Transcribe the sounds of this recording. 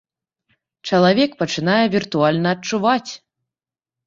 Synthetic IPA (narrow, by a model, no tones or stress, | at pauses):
t͡ʂɐlˠavʲɛkpɐt͡ʂɨnajɛvʲirt̪ualʲnɐːtt͡ʂuvat͡sʲ